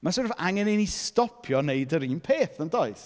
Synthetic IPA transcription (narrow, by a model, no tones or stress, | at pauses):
masɔrvaŋɛnɪnistɔpʰjɔnejdəɾiːnpʰeːθəndɔɨθ